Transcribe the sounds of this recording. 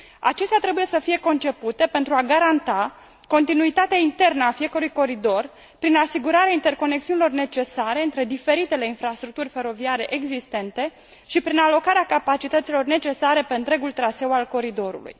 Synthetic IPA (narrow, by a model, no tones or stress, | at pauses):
a̰t͡ʃe̞st̪eat̪ɾe̞buje̞səfije̞ko̞nt͡ʃe̞put̪e̞pe̞nt̪ɾuaɡaɾant̪a | ko̞nt̪inuit̪at̪eaint̪e̞rnəafije̞kəɾujko̞ɾid̪o̞r | pɾinasiɡuɾaɾeaint̪e̞rko̞nek̚siunilo̞rne̞t͡ʃe̞saɾe̞ɨnt̪ɾe̞d̪ife̞ɾit̪e̞le̞infɾast̪ɾuk̚t̪urʲfe̞ɾo̞viaɾe̞ʔeɡzist̪e̞nt̪e̞ | ʃipɾinalo̞kaɾeakapat͡ʃit̪ət̪silo̞rne̞t͡ʃe̞saɾe̞pe̞ɨnt̪ɾe̞ɡult̪ɾase̞walko̞ɾid̪o̞ɾṵlṵj